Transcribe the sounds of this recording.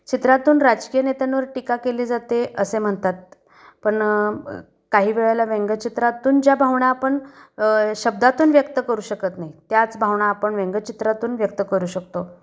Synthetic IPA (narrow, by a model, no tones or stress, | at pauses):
t͡ɕit̪ɾat̪uːnɾad͡ʑkijənet̪anʋəɾʈikakeliːd͡zat̪eʔəsem̤əɳt̪at̪̚ | pəɳ | kaɦiːʋeɭajlaʋeŋɡət͡ɕit̪ɾat̪uːnd͡ʑjabʱaʋɳaːpəɳ | ɕəb̚d̪at̪uːnʋjəkt̪əkəɾuːɕəkət̪naɦit̪jat͡sbʱaʋɳaːpəɳʋẽŋɡət͡ɕit̪ɾat̪uːnʋjək̚t̪əkəɾuːɕək̚t̪o